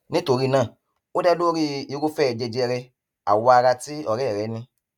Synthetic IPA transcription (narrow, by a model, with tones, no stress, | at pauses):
nĩ˦to˧ɾi˦nãː˦˨ | o˦dɛ˦do˦ɾi˦i˧˦ɾo˦fɛ˦ɛ˨d͡ʒɛ˧d͡ʒɛ˧ɾɛ˧ | a̰˨wɔ˧a˧ɾa˧ti˦ɔ˨ɾɛ˦˨ɾɛ˨˦nĩ˧